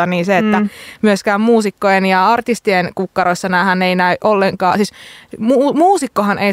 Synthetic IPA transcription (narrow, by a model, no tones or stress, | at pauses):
ɑniːnseet̪ːæmyøskæːmmuːsikːojenjɑɑrt̪ist̪ienkukːɑɾoisːɑnæhæneinæyʔʔolːeŋkɑːsiːsmuːmuːsikːohɑnʔei